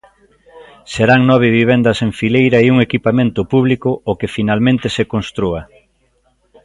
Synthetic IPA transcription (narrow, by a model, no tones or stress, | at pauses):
seɾaŋnɔβ̞ɪβiβ̞end̪ɐsẽɱfilejɾɐeuŋekipamẽnt̪ʊpuβ̞likʊokefinalmẽnt̪esekonst̪ɾuɐ